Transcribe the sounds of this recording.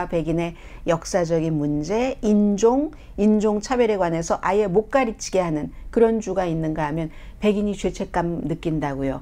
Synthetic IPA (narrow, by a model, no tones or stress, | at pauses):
ape̞ɡine̞ | jʌk̚s͈ad͡ʑʌɡinmund͡ʑe̞ind͡ʑoŋ | ind͡ʑoŋt͡ɕʰabjʌɾeɡwane̞sʰʌʔaje̞mok͈aɾit͡ɕʰi̥ɡeɦanɯnkɯɾʌnd͡ʑuɡainːɯnɡaɦamjʌn | pe̞ɡiɲit͡ɕwe̞t͡ɕʰe̞k͈amnɯk͈indaɡujo